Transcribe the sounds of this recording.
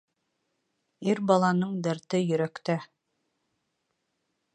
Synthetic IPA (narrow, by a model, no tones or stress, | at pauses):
iɾbɑlˠɑnɤɴd̪æɾt̪ɘjɵ̆ɾækt̪æ